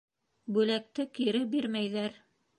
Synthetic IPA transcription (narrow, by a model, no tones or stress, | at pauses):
bʉlæk̚t̪ɘkiɾɘbiɾmæjðæɾ